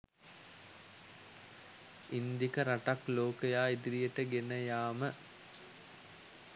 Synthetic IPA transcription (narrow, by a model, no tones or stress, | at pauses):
ind̪ikəɾaʈakloːkəjaːid̪iɾijəʈəɡenəjaːmə